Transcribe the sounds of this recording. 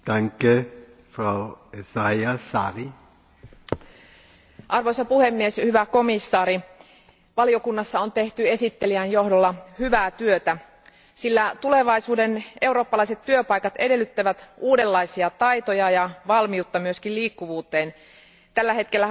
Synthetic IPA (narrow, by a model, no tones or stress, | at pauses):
t̪æŋke | frawesajasɑ̰ri | ʔɑrʋojsɑpuhemːieshyʋæko̞misːɑːɾi | ʋɑlio̞kunːɑsːɑont̪e̞ht̪ye̞sit̪ːe̞liænjo̞hdolːɑhyʋæːt̪yøt̪æ | silːæt̪ule̞ʋɑisuːdenʔe̞uro̞ːpːɑlɑiset̪tyøpɑikɑt̪e̞de̞lːyt̪ːæʋæt̪uːdelːɑisiɑt̪ɑjt̪ojɑjɑʋɑlmiut̪ːɑmyø̞skilliːkːuʋuːt̪eːn | t̪ælːæhet̪̚kelːæ